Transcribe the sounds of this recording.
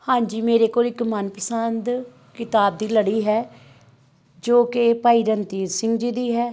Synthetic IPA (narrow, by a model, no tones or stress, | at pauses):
hãːɲd͡ʒiːmeːɾeːkoːlɪkmənpəsənd̪ | kɪt̪aːb̚d̪iːləɽiːɦɛː | d͡ʒoːkepaːiːɾənt̪iːɾsɪ̃ŋɡd͡ʒid̪iːɦɛː